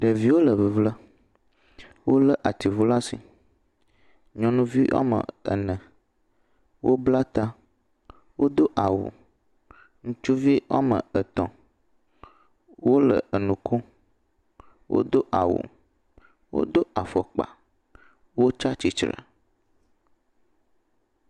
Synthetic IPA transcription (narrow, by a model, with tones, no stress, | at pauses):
ɖə˨vi˦wo˦lə˨vi˨vlə˦ | wo˦lə˦ʔa˨t̪i˨vu˦la˦sḭ˨ | ɲɔ̃˨nũ˦vi˦wʔa̰˦mə̰̃˨ə̰˨nə̃˨ | wo˦bla˦t̪a˦ | wo̰˦d̪o˦ʔa˨wṵ˨ | ŋũ˦t͡ʃu˦vi˦wa̰˦mə̰˨ə˨t̪ɔ̃˨ | wo˦lə̰˨ə˨nũ˨kʰo˦ | wʔo̰˦d̪o˦ʔa˨wṵ˨ | wo̰˦d̪o˦a˨fɔ˨k͡pa̰˨ | wo˦t͡ʃa˦t͡ʃi˨t͡ʃɾə̰˨